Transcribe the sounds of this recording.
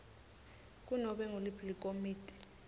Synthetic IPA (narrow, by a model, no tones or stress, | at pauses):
k̬ʼunɔɓɛŋulipʰlikʼomiːtʰʼi̥